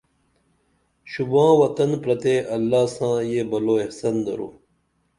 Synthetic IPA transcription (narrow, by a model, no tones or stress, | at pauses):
ɕubãːwɐt̪ɐnpɾɐt̪eːʔɐlːaːsãːjeːbɐloːehsɐnd̪ɐɾṵː